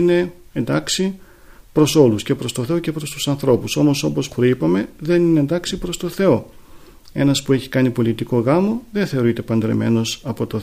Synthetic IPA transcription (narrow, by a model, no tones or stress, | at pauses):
ine̞end̪ɐksi | pɾo̞so̞lusce̞pɾo̞st̪oθe̞o̞ce̞pɾo̞st̪u̥sɐnθɾo̞puso̞mo̞so̞po̞sxɾipɐme̞ðe̞nineːnd̪ɐksipɾo̞st̪o̞θe̞o̞ | e̞̰nɐspue̞çi̥kɐnipo̞lit̪iko̞ɣɐmo̞ðe̞nθe̞o̞ɾit̪e̞pɐnd̪ɾḛme̞̰no̞sɐpo̞t̪oθ